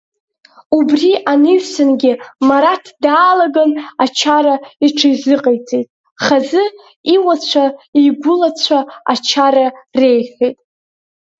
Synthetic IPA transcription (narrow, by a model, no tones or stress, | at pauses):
ubriʔanɨʒsɨnɡʲɪmaɾatʰdaːlaɡanat͡ʃʰaɾaiʈ͡ʂʰajzɨqʼejt͡sʼejtʼ | χazɨ | iwat͡ɕʷʰaiɡʷʊlat͡ɕʷʰaa̰t͡ʃʰaɾare̞jħejtʼ